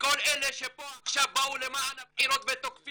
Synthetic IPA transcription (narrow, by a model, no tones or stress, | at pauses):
ko̞leleʃepo̞aχʃavbaulemaanabħiɾo̞t̪vet̪okfi